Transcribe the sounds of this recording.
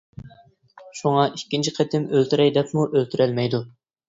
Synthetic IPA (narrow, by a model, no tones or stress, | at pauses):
ʃuŋɑʔikʲːint͡ʃʰiqʰɛt̪ʰɪmølt̪yɾɛjd̪ɛpmuʔølt̪ʰyɾɛlmɛjd̪u